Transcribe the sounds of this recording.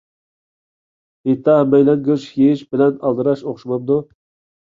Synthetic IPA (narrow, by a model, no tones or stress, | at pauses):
et̪ʰːɑhmɛjlɛnɡʲøʃheʃbɪlɛnɑlˠd̪ɨɾɑʃoχʃumɑnd̪u